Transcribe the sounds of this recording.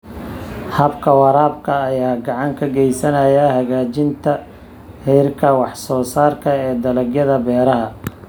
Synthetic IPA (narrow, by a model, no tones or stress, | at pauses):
hɐbkʰɐwɑɾaːb̚kʰɐːjaːɡɑʕɑŋkʰɐɡɛjsɐnɐjɐhɐɣaːt͡ʃɪnt̪ʰɐ | hɛjrkʰɐwɑħsɔːsaːrkʰɐɛːd̪ɐlɐɡjɐðɐbɛːɾɐɦɐ